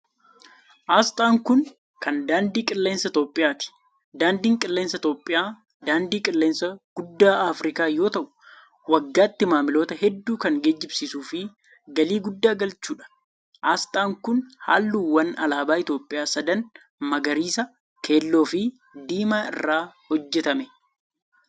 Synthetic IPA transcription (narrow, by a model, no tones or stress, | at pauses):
ʔaːst̪ʼaːŋkʊn | kɐnd̪aːnd̪iːkʼɪlːe̞ːnsɐɪt̪o̞ːpʼːɪjaːt̪ɪ̥ | d̪aːnd̪iːŋkʼɪlːe̞ːnsɐɪt̪o̞ːpʼːɪjaː | d̪aːnd̪iːkʼɪlːeːnsɐɡ̥ʊd̪ːaːaːfɾɪkaːjo̞ːt̪ɐʔʊ̥ | wɐɡːaːt̪ːɪmaːmɪlo̞ːt̪ɐɦɛd̪ːuːkɐŋɡeːd͡ʒːɪbsiːsuːfɪ | ɡɐliːɡʊd̪ːaːɡɐlt͡ʃːuːᶑɐ̥ | ʔast̪ʼaːŋkʊnha̰ːlːuːwɐnɐ̰laːbaːɪt̪jo̞ːpʼːɪjaːsɐd̪ɐn | mɐɡɐɾiːsɐ | kʰe̞ːlːo̞ːfɪ | d̪iːmaːɪ̰rːaːhɔd͡ʒːɛt̪ɐmɛ